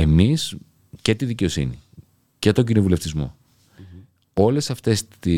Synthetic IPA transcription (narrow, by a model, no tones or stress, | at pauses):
e̞mis | ce̞t̪iðice̞o̞sḭni | ce̞t̪o̞ɲɟino̞vule̞ft̪izmo̞̰ | o̞le̞sɐft̪e̞si